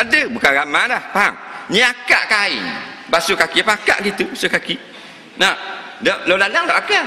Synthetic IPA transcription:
adɨbukaɣamadapaŋɲiaka̰ʔkaj | basukakipaka̰ʔkit̪usukaki | nadəlolalaŋlaʔaka

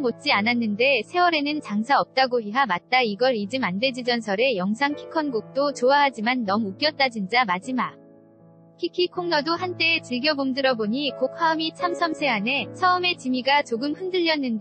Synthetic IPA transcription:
mot̚t͡ɕ͈iananːɯnde̞sʰe̞wʌɾe̞nɯnt͡ɕaŋsʰaʌp̚t͈aɡoɦiɦamat̚t͈aiɡʌɾid͡ʑɯmande̞d͡ʑid͡ʑʌnsʰʌɾe̞jʌŋsʰaŋkʰi̥kʰʌnɡuk̚t͈ot͡ɕoaɦad͡ʑimanːʌmuk͈jʌt̚t͈ad͡ʑind͡ʑamad͡ʑima | kʰikʰikʰoŋnʌdohant͈e̞ːt͡ɕiɭɡjʌbomdɯɾʌboɲikokʰwaɯmit͡ɕʰamsʰʌmsʰe̞ane̞sʰʌɯme̞t͡ɕimiɡat͡ɕoɡɯmɸɯndɯʎːʌnːɯnd

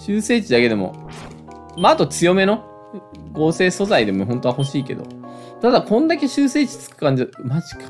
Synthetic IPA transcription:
ɕɨːse̞ːt͡ɕid̪ake̞d̪e̞mo̰ | maːt̪o̞t͡sɨjo̞me̞no̞ | ɡo̞ːse̞ːso̞zaid̪e̞moɦõ̞nt̪o̞aho̞ɕiːke̞̰d̪o̞̰ | t̪ad̪akõ̞nd̪ake̞ɕɨːse̞ːt͡ɕi̥t͡sɨ̥kɯ̟̥kãɲ̟d͡ʑimaʑi̥kḁ

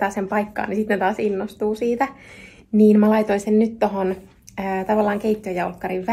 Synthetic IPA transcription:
ɑːsempɑikːɑ̰ːnisit̪net̪ɑːsinːost̪uːsiːt̪æ | niːnmælɑit̪oinsennyt̪t̪oɦon | əːt̪ɑʋɑlːɑːŋkeit̪ʲːiøjɑulkːɑriʋʋ

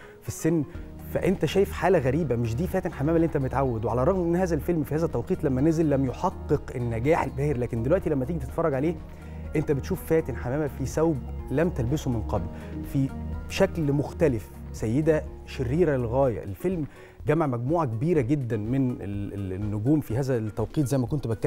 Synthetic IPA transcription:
fisːenː | fæ̰ʔent̪æʃæːjefħaːlæɣæɾiːbæmeʃ̬d̪iːfæːt̪enħamæːmælːiʔent̪æmbet̪ʕawːed̪weʕalæɾˤɑɣmʔenːhæːzælfelmfihæːzæt̪ːɑwqiːt̪ˤlæmːænezelːæmjoħɑqːeqenːæɡæːħelbæːheɾlæːkend̪elwæʔt̪ilæmːæt̪eːɡit̪et̪fɑrˤːɑɡʕaleː | ʔent̪æbet̪ʃuːfːæːt̪enħamæːmæfisæwblæmt̪ælbesomenqɑblfiʃæklmoxt̪ælef | sæjːed̪æ | ʃerːiːɾælɣæːjæ̰ʔḛlfelm | ɡæmaʕmæɡ̚muːʕakebiːɾæɡed̪ːænmenḛnːoɡuːmfiɦæːzæt̪ːæwqiːt̪̬ˤzæjːmækont̪bæt̪̚kːæ

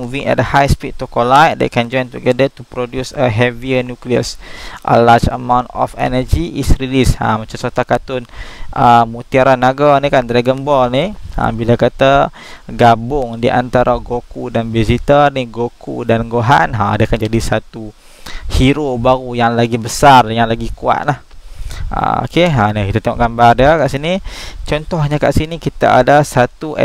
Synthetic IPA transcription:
muviŋɛ̰dəhajspit̚t̪ːukolajt̚dḛkɛnd͡ʒɔjnt̪uɡɛdət̪upɾodjusəɦɛviənjukliə̰sʔə̰lad͡ʒə̰mãw̃ntɔ̰fɛ̰nəd͡ʒiʔisɾilisa̰mat͡ʃamsot̪akat̪ʊnʔəmut̪iaɾanːaɡanikant̪ɾɛɡənbɔlniã̰bilakat̪a | ɡabʊŋdiʔa̰nt̪aɾʔaɡokudanbizit̪ərniɡokṵdanɡoɦa̰nɦaa̰dakand͡ʒadisat̪u | hiɾobaɾujaŋlaɡibəsarjaŋlaɡikua̰t̪̚lah | a̰o̰keanikit̪at̪ɛŋɔ̰ʔɡambarəkaʔsinit͡ʃɔnt̪ɔhɲaka̰ʔsinikit̪a̰a̰dasat̪uʔɛ̰

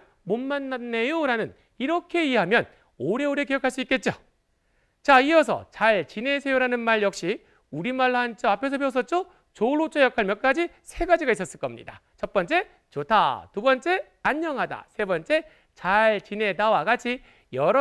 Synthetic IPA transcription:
mommanːanːejoŋɾanɯn | iɾʌkʰe̞ieɦamjʌn | oɾe̞oɾe̞ke̞jʌkʰaɭs͈uik͈e̞t̚t͡ɕ͈o | t͡ɕaiʌs̬ʰʌ̰t͡ɕaɭt͡ɕine̞sʰejoɾanɯnmaɭjʌk̚ɕ͈i | uɾimaɭːaɦant͡ɕ͈ʌapʰe̞s̬ʰʌpeos̬͈ʌt̚t͡ɕ͈o | t͡ɕoɭot͡ɕ͈ʌjʌkʰaɭmjʌk͈ad͡ʑi | sʰe̞ɡad͡ʑiɡais͈ʌs͈ɯɭk͈ʌmɲḭda̰ | t͡ɕʌp͈ʌnt͡ɕ͈e̞ | t͡ɕotʰa̰tubʌnt͡ɕ͈e̞ | aɲːʌŋɦada̰sʰe̞bʌnt͡ɕ͈e̞ | t͡ɕaɭt͡ɕine̞tawaɡat͡ɕʰi | jʌɾʌ

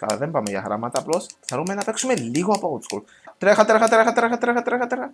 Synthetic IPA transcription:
kɐ̰lðembɐmeʝɐ̰ɣɾɐ̰mɐt̪ɐːplo̞sθeɾumenɐpe̞ksume̞liɣoɐpout̪skṵl | t̪ɾexɐt̪ɾexɐt̪ɾexɐt̪ɾexɐt̪ɾexɐt̪ɾexɐt̪ɾexɐ

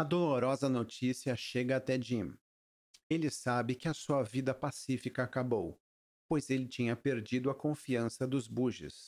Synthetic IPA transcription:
ɐd̪oloɾɔzɐnot͡ʃisiɐʃeɡɐːt̪ɛd͡ʒĩm | elɪsabɪkɪɐsuɐvid̪ɐpasifikɐːkabow | pojzelɪt͡ʃĩɲɐpeɾd͡ʒid̪ʊɐkõfiɐ̃sɐd̪ʊzbuʒɪ̰s

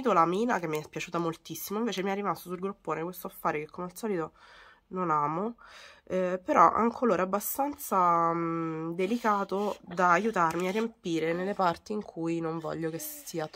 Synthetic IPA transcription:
it̪olamiːnakemːiɛspjat͡ʃuːt̪amolt̪isːimoiɱveːt͡ʃemiɛrːimast̪osulɡɾupːoːnekwest̪oafːaːɾekekːomealsɔːlit̪o | nonaːmo | peɾɔ̰ʔa̰ŋkoloːɾaabːast̪ant̪sa | d̪elikaːt̪od̪aːjut̪armiarːiempiːɾenelːepart̪iːŋkʰujnoɱvɔ̰ʎːokesiːa

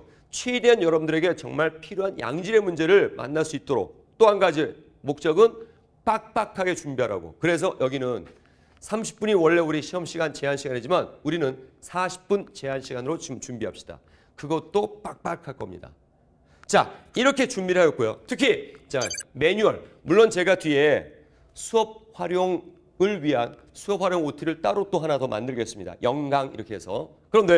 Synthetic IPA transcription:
t͡ɕʰweidwenjʌɾʌbndɯɾe̞ɡe̞t͡ɕʌ̰ŋmaɭpʰiɾjoɦanja̰ŋd͡ʑiɾe̞mund͡ʑe̞ɾɯɭma̰nːas͈uit̚t͈oɾo̰k̚ | t͈oɦanɡad͡ʑi | mok̚t͡ɕ͈ʌɡɯn | p͈ak̚p͈akʰaɡe̞t͡ɕumbiɦaɾa̰ɡo̰kɯɾe̞s̬ʰʌjʌɡinɯn | sʰamɕʰi̥p͈uɲiwʌɭːe̞uɾiɕʰiɦʌmɕʰiɡant͡ɕe̞ɦanɕʰiɡanid͡ʑimanuɾinɯnsʰaɕʰi̥p̚p͈unt͡ɕe̞ɦanɕʰiɡanɯɾot͡ɕt͡ɕumbiɦap̚ɕ͈i̥d̥a̰ | kɯɡʌt̚t͈op͈ak̚p͈akʰaɭk͈ʌmɲḭda̰ | t͡ɕaiɾʌkʰe̞t͡ɕumbiɾɦajʌt̚k͈ojo̰tʰɯkʰit͡ɕame̞ɲuʌɭmuɭːont͡ɕe̞ɡatɥie̞ | sʰuʌp̚ɸwaɾjoŋ | ɯɭɥiɦan | sʰuʌp̚ɸwaɾjoŋotʰɯɾɯɭt͈aɾot͈oɦanadomʔa̰ndɯɭɡes͈ɯmɲida̰jʌŋɡaŋḭɾʌkʰe̞ɦesʰʌ | kɯɾʌmde

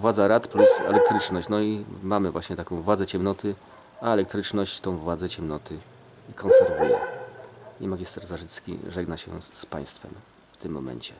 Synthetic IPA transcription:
vwad̪zaɾat̪plusɛ̰lɛk̚t̪ɾɘt͡ʂnɔɕt͡ɕnɔimamɘvwaɕɲɛt̪akɔ̃w̃vwad̪zɛt͡ɕɛmnɔt̪ʰɘ | aɛlɛk̚t̪ɾɘt͡ʂnɔɕt͡ɕt̪ɔ̃w̃vwad̪zɛt͡ɕɛmnɔt̪ʰɘ | ikʰɔnsɛɾvujɛ̰ | ɲimaɡʲist̪ɛɾzaʐɘt̪skʲḭʐɛɡnaɕɛ̰spa̰j̃st̪fɛ̰m | ft̪ɘmːɔ̰mɛ̰ɲt͡ɕɛ

